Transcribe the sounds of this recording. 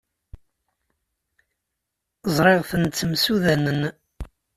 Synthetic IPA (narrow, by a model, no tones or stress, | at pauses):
zˤɾˤɪʁθənt͡sːəmsuðænən